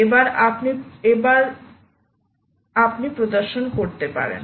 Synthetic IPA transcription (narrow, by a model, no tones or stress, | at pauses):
ebaɾapniebaɾ | apnipɾod̪oɾʃonkoɾt̪epa̰ɾḛn